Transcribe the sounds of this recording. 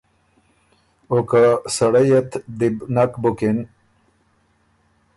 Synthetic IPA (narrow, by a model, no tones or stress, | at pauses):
okasaɽajet̪d̪ibnakbukin